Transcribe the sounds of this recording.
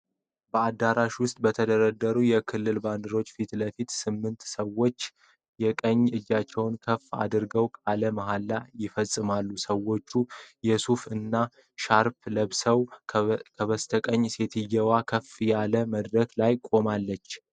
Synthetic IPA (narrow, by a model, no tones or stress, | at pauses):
bəad̪ːaɾaʃwʊst̪ʼbət̪ʰəd̪əɾəd̪ːəɾujɛkʰɨlːɨlband̪ɨɾo̞t͡ʃːfit̪ləfit̪sɨmːɨnt̪səwo̞t͡ʃː | jɛkʼəɲːɨd͡ʒːat͡ʃːɛwnkʰəfːa̰d̪ɨɾɡəwkʼaləmaɦalːajɪfəsʼːɨmalːusəwo̞t͡ʃːujɛsufɨnːa | ʃaɾpləβsəwkʰəβəst̪ʰəkʼəɲːse̞t̪ʰɨjɛwakʰəfjaləməd̪ɾəklajkʼo̞malːət͡ʃː